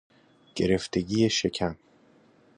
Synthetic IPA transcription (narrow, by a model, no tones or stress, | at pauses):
ɟ̥e̞ɾe̞ft̪ʰe̞ɡiːjeʃe̞cʰæm